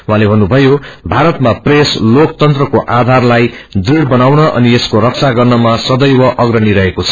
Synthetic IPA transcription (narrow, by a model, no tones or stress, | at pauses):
wuɦãlebʱʌnːubʱʌjobʱaɾʌt̪mapreslokt̪ʌnt̪rʌkoʔad̪ʱarlajd̪riɽbʌnawnʌʔʌ̰nieskoɾʌk̚t͡sʰaɡʌrnʌmasʌd̪ʌjwʌʔʌɡrʌniɾʌɦekot͡sʰʌ̥